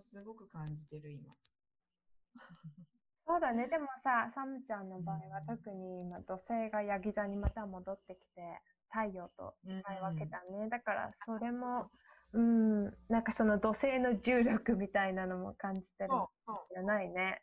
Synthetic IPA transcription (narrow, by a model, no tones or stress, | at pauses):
sɨɡo̞kɯ̟kãɲd͡ʑit̪e̞ɾɯ̟ima̰ | so̞ːd̪ane̞d̪e̞mo̞sasamɯ̟t͡ɕãnːo̞baːiβat̪o̞kɯ̟ɲ̟iːmad̪o̞se̞ːɡajaɡʲizaɲ̟imat̪amo̞d̪o̞t̪ːe̞kʲi̥t̪e̞ | t̪aijo̞ːt̪o̞̰aiβake̞t̪anːe̞d̪akaɾa̰so̞ɾe̞mo̞ | ɯ̟̃ːnãŋkaso̞no̞d̪o̞se̞ːno̞ʑɨːɾʲo̞kɯ̟mʲit̪ainano̞mo̞̰kãɲ̟d͡ʑi̥t̪eɾɯ | anaine̞